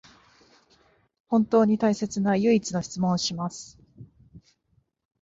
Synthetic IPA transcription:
hõ̞nt̪o̞ːɲ̟it̪aise̞t͡sɨnajɯ̟it͡sɨno̞çi̥t͡sɨmõ̞ɰ̃ɕimasɨ̥

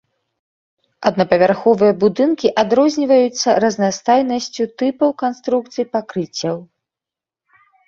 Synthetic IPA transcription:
ɐd̪nɐpɐvʲarxɔvɨjɐbud̪ɨnkʲiʔad̪ɾɔzʲnʲivɐjut̪sːɐɾɐznast̪ajnɐsʲt͡sʲut̪ɨpɐwkanst̪ɾuk̚t̪sɨjpakɾɨt͡sʲːɐw

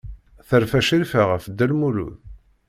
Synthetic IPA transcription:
θəɾfæʃiɾfæʁəfəd̪ːælmuɾṵð

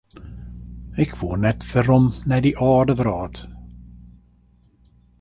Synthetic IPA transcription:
ɛkʰv̥uːnɛt̪vɛɾɔmnɛdiʔɔːdəvɾɔːd̥

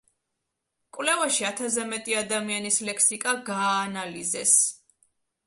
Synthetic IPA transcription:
kʼwlɛvaʃiat̪ʰazɛmɛt̪ʼiad̪amianislɛkʰsikʼaɡaːnalizɛs

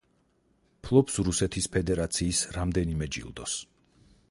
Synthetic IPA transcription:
pʰlˠɔpsɾusɛt̪ʰispʰɛd̪ɛɾat̪sʰiːsɾamd̪ɛnimɛd͡ʒḭlˠd̪ɔs

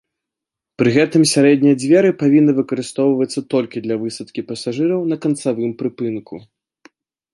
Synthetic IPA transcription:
pɾɨɣɛt̪ɨmsʲaɾɛd̪nʲijɐd͡zʲvʲɛɾɨpavʲinːɨvɨkɐɾɨst̪ɔwvɐt̪sːɐt̪ɔlʲkʲid̪lʲɐvɨsɐt̪kʲipɐsaʐɨɾɐwnɐkɐnt̪savɨmpɾɨpɨnku

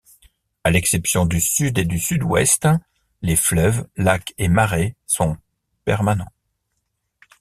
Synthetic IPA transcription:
alɛksɛpsjɔ̃d̪ysyd̪ed̪ysyd̪wɛ̰st̪ | leflœvlakemaʁesɔ̃ | pɛʁmanɑ̃

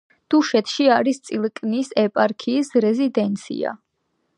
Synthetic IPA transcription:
d̪̥uʃɛt̪ʰʃiaɾist̪sʼilˠkʼnisɛpʼaɾkʰiːsɾɛzid̪ɛnt̪sʰḭa̰

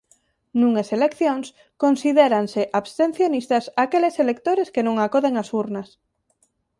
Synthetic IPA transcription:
nũŋeselekθjoŋs | konsiðeɾanseʔaβst̪ẽn̟θjonist̪asakeleselek̚t̪oɾeskenõŋakoðeŋasuɾnas

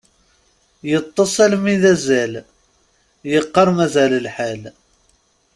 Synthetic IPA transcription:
jət̪ˤːəsˤælmiðæzæl | jəqːɑɾˤmæzæləlħal

